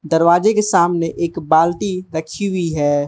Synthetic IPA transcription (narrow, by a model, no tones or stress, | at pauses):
d̪ɐɾʋaːd͡ʒekesaːmneʔeːkbaːlʈiɾɐkʰiɦʊiɦɛː